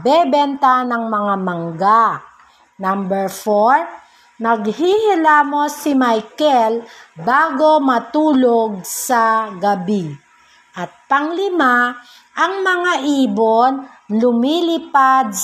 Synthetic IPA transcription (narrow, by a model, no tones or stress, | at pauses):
bɛbɛnt̪anɐŋmɐŋamɐŋɡa | nambɛɹfoɹ | nɐɡ̚hihɪlamo̞sɪmajkɛlbaːɡo̞mɐt̪uːloɡ̚sɐɡɐbi | ʔɐt̪̚pɐŋlɪma | ʔɐŋmɐŋaʔiːbonlʊmiːlɪpad̪̚